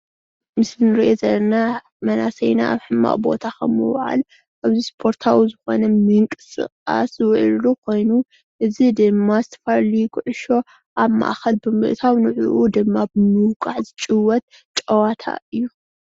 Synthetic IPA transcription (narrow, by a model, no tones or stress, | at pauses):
mɨsnɨɾiʔezɐlːɐna | mɐnasɐjna̰ʔa̰βħɨmːa̰ʔbo̞̰t̪ʰakʰɐ̰mːɨ̰wɐʕa̰l | ʔaβzispʰo̞ɾt̪ʰawizɨxo̞̰nɐmɨŋkʼɨsʼɨ̰χʼa̰sɨwʕllukʰo̞jnu | ʔɨzid̪ɨmːazɨt̪ʰɐ̥faɾlijkʰɨʕʊʃo̞ | ʔaβma̰ʔxɐlbɨmɨʔt̪ʰawnɨʕuʔud̪ɨmːabɨmɨwkʼaʕzɨt͡ʃʼɨwːɐt̪̚ | t͡ʃʼɐwat̪ʰa̰ɨjːu